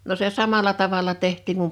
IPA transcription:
no se sɑmɑlɑ tɑʋɑlɑ tehtˑiːŋ kum

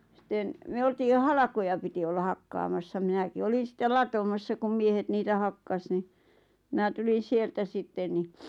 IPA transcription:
sĭten myø oltiːj jo hɑlɑ̆kojɑ piti olːɑ hɑkːɑːmɑsːɑ minæki olin̞ sĭtːel lɑtomɑsːɑ kum miehet niːtæ hɑkːɑs ni mĭnæ tulin̞ sieltæ sitːen ni

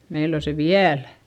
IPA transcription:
meil o se ʋiælæ̥

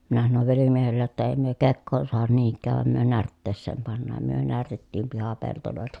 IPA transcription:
minæ sɑnoʋ ʋelimiehelːej jotːɑ eˑi myø kekːoːn suɑhɑn niːŋkˑæːʋ ʋɑˑem myø nærtːeːsːeːm pɑnːɑːm myø nærtetːiːm pihɑpeltoloˑeltɑ

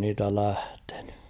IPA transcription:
niːtæ læhte̥n̥ẙ

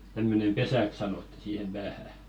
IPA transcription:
tæmːønem pesæk sɑnotːi siːhem b̥æːhæ

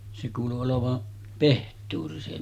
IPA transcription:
se kuːlu oloʋɑ pehtˑuːri se

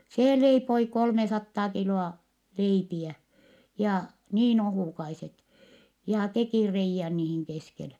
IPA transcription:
seː leipoi kolmesɑtːɑː kiloɑ leipiæ jɑ niːn ohuˑkɑiset jɑ tekiˑ reijːæn niːhiŋ keskele

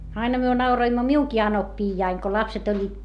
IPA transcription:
ɑinɑ myø nɑuroimːo miuŋki ɑnopːiːjːɑiŋ ko lɑpset olʲːiːt

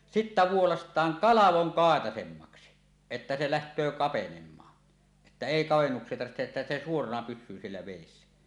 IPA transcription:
sitːæ ʋuolɑstˑɑːŋ kɑlɑʋoŋ kɑˑetɑsemːɑksi etːæ se læhtˑøː kɑpenemˑɑː etːæ eˑi kɑʋenːuksˑie tɑrʋihteʔ ʔetːæ se suorɑnɑ pysˑyː sielːæ ʋeˑisːæ

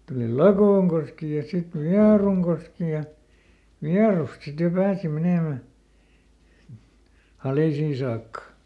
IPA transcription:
tuli lɑkoːŋkoski jɑ sit ʋiɑruŋkoski jɑ ʋiɑrust sit jo pæːsi meneˑmæ hɑliˑsiː sɑːkːɑ

